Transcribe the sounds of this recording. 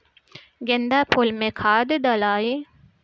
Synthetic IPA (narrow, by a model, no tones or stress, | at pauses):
ɡend̪æːpʰolmekʰaːd̪ed̪ɐlaːji